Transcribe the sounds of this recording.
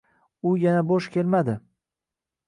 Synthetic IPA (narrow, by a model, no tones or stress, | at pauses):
ʊjanaboʃkʲe̞lmad̪ɪ